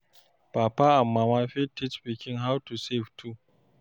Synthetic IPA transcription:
paːpaamːamaːɸetːɪt͡ʃɸikʲɪŋɦawtuseftʰu

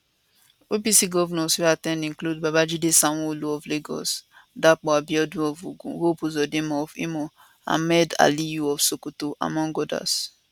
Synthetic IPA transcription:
opisiɡɔvnɔswiatɛ̃ndĩklud̚babad͡ʒidesãw̃ɔ̃oloɔvleɡɔ̰sdak͡pɔabiɔd̃ɔvuɡũwopuzɔdemɔfḭmo | a̰mɛda̰lijuɔfsokutoʔa̰mɔ̃ŋɡɔda̰s

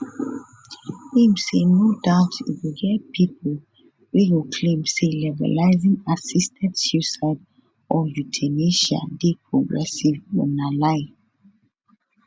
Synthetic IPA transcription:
kẽmsenodaʊtḭfwiɡɛt̚pʰip̚ʰl | wiwikʰlẽmselɛvə̰laɪzĩŋasistʰɛ̃ntsjusaɪd | ʔɔjutʰɛneʃa̰depʰɹɔɡɹɛsivɔnalaɪ

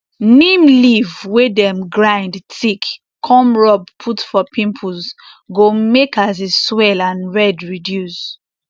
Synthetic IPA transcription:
nĩmlivwedɛ̃mɡɹãɪndtik | kʰɔ̃mɹɔb̚pʰutfɔpʰĩmpʰuz | ɡomekas̬eswɛlãnɹɛdɹidjus

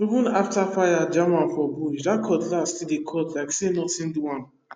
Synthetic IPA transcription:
ivũnaftafajad͡ʒamãnfɔbuʃdakʰɔtlastidekʰɔtlaɪksenɔtĩnduãn

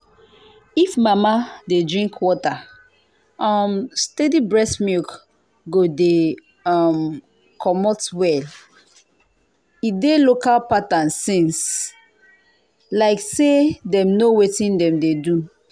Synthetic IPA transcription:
ifmamadedɹĩŋkwɔta | ɔmstedibɹɛsmik | ɡode | am | kʰɔmɔtwɛl | idelokalpatãnsĩns | laɪksedɛ̃mnowetĩndɛ̃mdedu

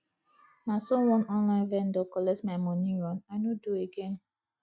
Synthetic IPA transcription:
nasɔwɔ̃nɔ̃nlãɪ̃nvɛndɔkɔlɛsmamɔniɾɔ̃naɪnodueɡen

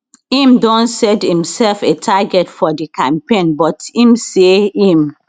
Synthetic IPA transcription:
ĩmdɔ̃nsɛdhĩmsɛlfetʰaɡɛtfɔdikʰãmpẽnbɔtĩmseĩm

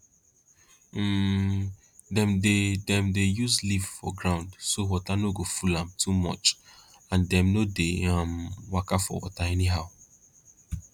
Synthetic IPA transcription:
dɛ̃mdedɛ̃mdejuzlivfɔɡɹãʊ̃ndsowɔtanoɡofulãmtʰumɔ̰t͡ʃ | ãndɛ̃mnodeãmwakafɔ̰wɔ̰taɛniɦaʊ

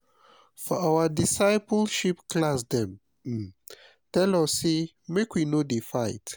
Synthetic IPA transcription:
fɔawədisaɪpɔlʃipklasdɛ̃m | tɛlɔse | mekwinodifaɪt

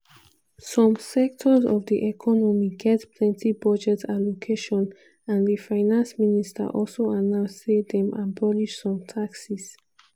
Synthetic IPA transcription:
sɔ̃msɛk̚tʰɔzɔ̰vd̪iʔɛkʰɔnɔmiɡɛtpʰlɛ̃ntʰibʌd͡ʒɛtʰalokʰeʃɔ̃n | ãndəfaɪnãnsministʰə̰ʔɔlsoanãsed̪ɛ̃mʔãnbɔliʃsɔ̃mtʰaksis

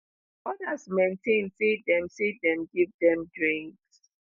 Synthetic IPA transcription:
ɔdasmẽntẽnsid̚dɛ̃msid̚dɛ̃mɡivdɛ̃mdɹĩŋks

